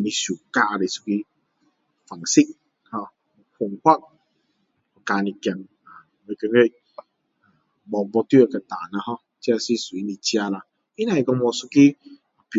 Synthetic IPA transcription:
i˨ni˦su˨ka˦a˨ɾi˨su̥˦ki˦ | fa˨ŋsi˦k̚ | hɔ˧˨ | fo˨ŋ˨kʷa˦k̚ | ɔ˨ka˨ni˨kɛ˨n | a˨me˨ke˨ŋe˦˨ | ɡ͡bɔ˨bɔ˧tu˦e˨ka˨taː˨na˦ɦɔ˦ | t͡ʃɛ˦a˨si˦su˨i˦ni˨t͡ʃi˦a˦la˨ | i˦na˦˨i˨kɔ˧mɔ˨su˦ki˦ | a˨p

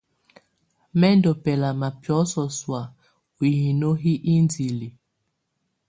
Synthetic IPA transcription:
mɛ˦ndɔ˨pɛ˨la˨ma˨pjɔ˨˦sɔ˨swa˨ | u˨hi˨no˦ɦi˦ʔi˦nd͡zi˨li˨

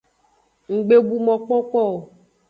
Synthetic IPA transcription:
ŋ̩˨ɡ͡be˦bu˦mɔ̃˨k͡pɔ˦k͡pɔ˦o˨

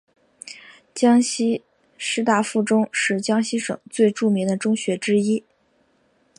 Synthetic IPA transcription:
t͡ɕjɑ˥ŋɕi˥ | ʂɻ̩˥t̪a˥˧fu˥˩ʈ͡ʂʊ˥ŋʂɻ̩˥˩t͡ɕjɑ˥ŋɕi˥ʂɤ̰˨˩ŋt͡swe˥˧ɪʈ͡ʂu˥˩mi˧˥ŋd̪ə˧ʈ͡ʂʊ˥ŋɕɥɛ˧˥ʈ͡ʂɻ̩˥i˥

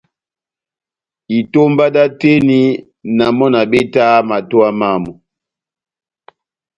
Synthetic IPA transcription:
i˨to˦mba˦da˦te˦ni˦ | na˨mɔ˦na˨bɛ˦ta˦ma˨to˦a˦ma˦mɔ˨

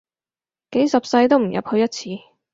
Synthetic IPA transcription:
ke˨˥jsɐ˨p̚sɐ˧jt̪o˥wm̩˨˩jɐ̰˨p̚hɵ˧ɥjɐ˥t̚t͡sʰiː˨˧

